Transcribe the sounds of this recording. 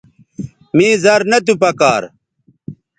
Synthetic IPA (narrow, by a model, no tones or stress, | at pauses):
mĩːzɐɾnɐt̪̬upɐkaːɾ